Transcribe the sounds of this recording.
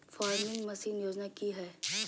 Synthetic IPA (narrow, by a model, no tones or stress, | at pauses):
faːɾmɪ̃ŋɡmɐsiːnjoːd͡ʒnakiɦɛː